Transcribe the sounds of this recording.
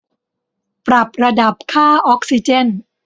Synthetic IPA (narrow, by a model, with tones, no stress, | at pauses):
pɾa˨˩p̚ɾa˧da˨˩p̚kʰaː˥˩ʔɔː˦˥k̚si˧˩t͡ɕe˥˩n